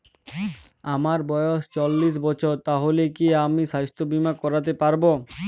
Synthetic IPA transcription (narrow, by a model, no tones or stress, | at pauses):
amaɾbɔjoʃt͡ɕolːiʃ̬bɔt͡ɕʰoɾt̪aɦolekiamiʃast̪obimakɔɾat̪̬epaɾbo